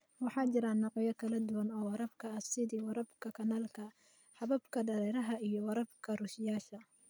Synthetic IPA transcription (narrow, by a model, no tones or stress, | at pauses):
wɑħɑːt͡ʃɪɾaːnːɑqɑjɐkʰɐlɐd̪ʊwɐnɔːwɑɾɐbkʰɐɐsɪðiːwɑɾɐbkʰɐkʰɐnaːlkʰɐ | ħɐβɐbkʰɐɖɐɾɛːɾɐɦɐijɔwɐɾɐbkʰɐrʊʃɪjaːʃɐ